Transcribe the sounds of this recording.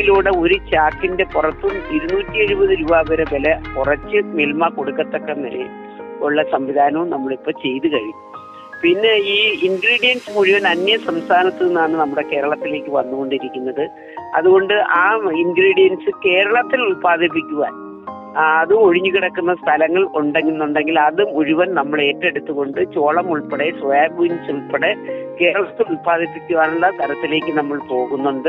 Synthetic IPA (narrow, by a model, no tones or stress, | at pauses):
iluːɽeo̞ɾut͡ɕaːkːinde̞purɐt̪ːumiɾunuːtʲːie̞ɻubɐðɨɾuʋaːʋɐɾɐʋelɐpurɐt͡ɕːɨmelmako̞ɽukːɐt̪ːokːenɐɾḛ | oɭːɐsɐmʋid̪ʱaːnɐʋumnɐmːɐɭipːo̞ːt͡ɕe̞jt̪ukɐɻiːu | pinːe̞iːiŋɡɾiːɽijɐnsɨmuɻiʋɐnɐnjɐsɐmst̪ʰaːnɐt̪ːinːaːɳɨnɐmːuɽe̞ke̞ːɾɐɭɐt̪ːile̞ːkʲːɨʋɐnːuɣo̞ɳɖiɾikʲːunːɐðɨ | ɐ̰ðuɣo̞ɳɖɨʔaːiŋɡɾiːɽijɐnsɨke̞ːɾɐɭɐt̪ːilulpaːðʱip̬ːikʲːuɣa̰ːnː | ðɨo̞ɻiɲːuɣiɽɐkːunːɐst̪ʰɐlɐŋːɐɭoɳɖeŋːunːuɳɖe̞ŋɡilɐðɨmuɻuʋɐnnɐmːɐɭe̞ːtːeɽut̪ːuɣo̞ɳɖɨt͡ɕo̞ːɭɐmuɭpeɽe̞sʋaːbunsuɭpeɽeke̞ːɾɐɭɐt̪ːilulpaːðʱipːikʲːuʋaːnuɭːɐt̪ʰɐɾɐt̪ːile̞ːkʲːɨnɐmːɐɭpo̞ːɣunːuɳɖɨ